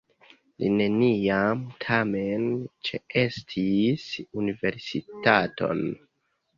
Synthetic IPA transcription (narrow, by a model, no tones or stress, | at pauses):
lḭne̞niamtʰame̞nt͡ʃee̞stʰisunive̞ɾsitatʰo̞̰n